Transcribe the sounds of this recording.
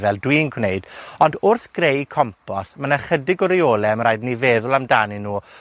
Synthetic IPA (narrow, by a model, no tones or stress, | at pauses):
vɛlˠdwiːnkʰwnejd̥ɔndʊrθɡ̥rejkʰɔmpʰɔsmanaχədɪɡɔɾiɔːlˠɛmraːjdniveːðʊlˠamdaninuː